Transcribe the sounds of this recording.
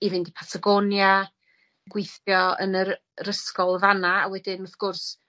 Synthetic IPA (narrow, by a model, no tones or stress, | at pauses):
ivɪndipʰatʰaɡɔnja | ɡ̥wɪjθjɔə̰nər | ɾəskɔlˠvanaawɛdɪnɔθɡ̥ʊrs